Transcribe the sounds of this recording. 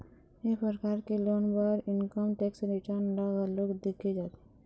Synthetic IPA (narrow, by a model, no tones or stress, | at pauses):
epɾəkaːɾkiloːnbəɾɪnkəmʈeːksɾɪʈəɾnɖaɡəloːkd̪ɪkʰid͡ʒaːt̪i̥